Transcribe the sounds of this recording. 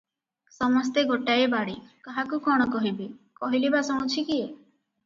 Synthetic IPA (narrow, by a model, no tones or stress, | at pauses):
sɔmɔs̬t̪eɡoʈaebaɽikaɦakukɔɽ̃ɔkɔɦibikɔɦilibasɔ̃ũt͡ʃʰikie